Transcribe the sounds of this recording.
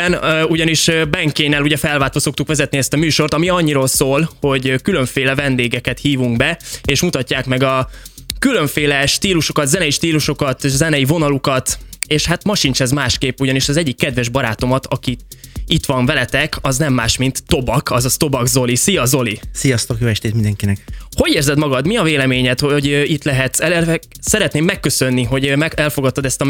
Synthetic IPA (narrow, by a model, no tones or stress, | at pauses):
ɛnuɟɒniʃbɛŋkeːnɛluɟɛfɛlvaːt̪ʋoso̞k̚t̪ukʋɛzɛt̪niɛst̪ɒmyːʃo̞rt̪ɒmiɒɲːiɾoːlsoːlho̞ɟkylø̞ɱfeːlɛvɛnd̪eːɡɛkɛt̪hiːvuŋɡbɛeːʃmut̪ɒcːaːkmɛɡɒkylø̞ɱfeːlɛʃt̪iːluʃokɒd̪zɛnɛjiʃt̪iːluʃo̞kɒt̪zɛnɛjivo̞nɒlukɒt̪eːʃhat̪mɒʃint͡ʃɛzmaːʃkeːpːuɟɒniʃɒzɛɟːikːɛd̪vɛʒbɒɾaːt̪o̞mɒt̪ʰɒkiit̪ʋɒɱvɛlɛt̪ɛkʰɒznɛmːaːʃmint̪ːo̞bɒkʰɒzɒst̪o̞bɒɡzo̞lisijɒzo̞lisijɒst̪o̞kjoːɛʃt̪eːt̪mind̪ɛŋkinɛkho̞ɟeːrzɛd̪mɒɡɒd̪miɒveːlɛmeːɲɛt̪hoɟit̪lɛɦɛt̪ɛɛ | sɛɾɛt̪neːmːɛkːøsønːiɦo̞ɟɛɛlfoɡɒt̪ːɒd̪ɛst̪ɒ